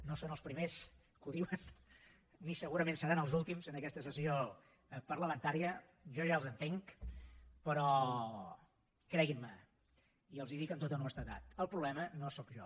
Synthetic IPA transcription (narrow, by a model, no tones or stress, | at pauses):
nosonəlˠspɾimes | kuðiwən | nisəɣuɾəmẽnsəɾanəlˠzulˠt̪imzənəkɛst̪əsəsio | pəɾləmənt̪aɾiə | ʒɔʒaəlˠzənt̪eŋk | pəɾɔ | kɾɛɣinmə | iəlˠziðikəmt̪ot̪onoəst̪at̪a̰t̪əlˠpɾuβlɛmənosɔkʒɔ̰